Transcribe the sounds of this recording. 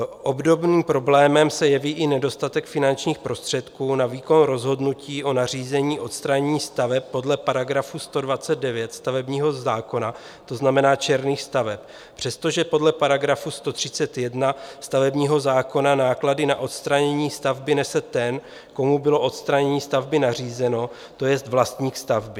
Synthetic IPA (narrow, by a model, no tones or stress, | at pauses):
ʔo̞bdo̞bniːmpɾo̞blɛːmɛmsɛjɛviːʔɪnɛdo̞st̪at̪ɛkfɪnant͡ʃɲiːxpɾo̞st̪r̝̥ɛt̪kuːnaviːko̞nɾo̞zɦo̞dnuciːʔo̞nar̝iːzɛɲiːʔo̞t̪st̪ɾaɲɛɲiːst̪avɛpːo̞dlɛpaɾaɡɾafust̪o̞dvat͡sɛd̪̚dɛvjɛt̪st̪avɛbɲiːɦo̞zaːko̞na | t̪o̞znamɛnaːt͡ʃɛɾniːxst̪avɛp̚ | pr̝̥ɛst̪o̞ʒɛpo̞dlɛpaɾaɡɾafust̪o̞t̪r̥ɪt͡sɛt̪jɛdnast̪avɛbɲiːɦo̞zaːko̞nanaːkladɪnaʔo̞t̪st̪ɾaɲɛɲiːst̪avbɪnɛsɛt̪ɛn | ko̞mubɪlo̞ʔo̞t̪st̪ɾaɲɛɲiːst̪avbɪnar̝iːzɛno̞ | t̪o̞jɛst̪vlast̪ɲiːxst̪avbɪ